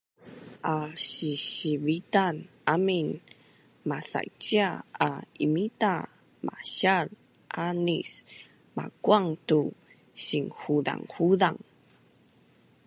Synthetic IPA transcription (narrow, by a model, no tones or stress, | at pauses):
ʔaɕiɕivitanʔamin | masa̰t͡ɕiaaimita | mʔa̰ɕar | ʔanis | ma̰kuaŋtu | ɕiŋhuda̰ŋhuðaŋ